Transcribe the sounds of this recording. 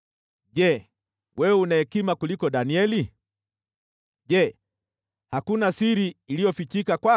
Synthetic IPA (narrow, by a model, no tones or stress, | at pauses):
ʄɛ | wʔɛɛunaɛkimakulikɔɗaniɛli | ʄɛ | hakunasiɾiːlijɔfit͡ʃikakwa